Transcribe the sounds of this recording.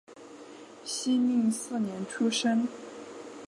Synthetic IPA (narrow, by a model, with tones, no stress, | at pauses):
ɕi˥mi˥˧ŋsɹ̩˥˩njɛ˧˥nʈ͡ʂʰu˥ʂə˥n